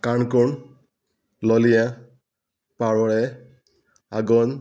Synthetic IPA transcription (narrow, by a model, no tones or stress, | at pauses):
kankɔn | lɔlijã | paɹɔɹɛ | aɡɔn